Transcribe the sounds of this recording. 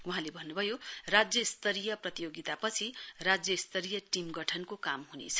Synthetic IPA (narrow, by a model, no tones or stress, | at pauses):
wuɦãlebʱʌnːubʱʌjorad͡zjʌist̪ʌɾijʌprʌt̪ijoɡit̪apʌt͡sʰirad͡zjʌst̪ʌɾijʌʈimɡʌʈʰʌnkokamɦunḛt͡sʰʌ̥